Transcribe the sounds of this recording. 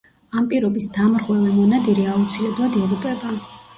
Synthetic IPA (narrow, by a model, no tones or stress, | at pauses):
ampʼiɾɔbisd̪amɾʁwɛvɛmɔnad̪iɾiaut̪sʰilɛblˠad̪iʁupʼɛba